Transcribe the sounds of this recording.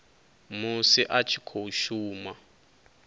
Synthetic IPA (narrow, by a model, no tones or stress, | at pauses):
musiʔat͡ʃʰi̥kʰouʃuːma